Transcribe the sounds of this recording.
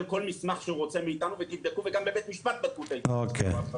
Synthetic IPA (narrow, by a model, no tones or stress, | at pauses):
lko̞lmismaχʃeuʁot͡semiit̪anuvet̪ivd̪ekuveɡambebet̪miʃpat̪̚bat̪̚kut̪ejokʰḛ